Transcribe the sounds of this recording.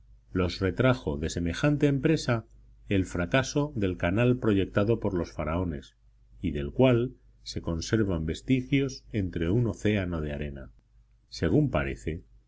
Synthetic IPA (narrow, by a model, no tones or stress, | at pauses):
lo̞sre̞t̪ɾaxo̞ðe̞se̞me̞xant̪e̞ːmpɾe̞sa | e̞lfɾakaso̞ðe̞lkanalpɾo̞ʝe̞k̚t̪aðo̞po̞ɾlo̞sfaɾao̞ne̞s | iðe̞lkwal | se̞ko̞nse̞ɾβ̞ambe̞st̪ixjo̞se̞nt̪ɾe̞uno̞θe̞ano̞ð̞eaɾe̞na̰ | se̞ɣ̞umpa̰ɾe̞̰θe̞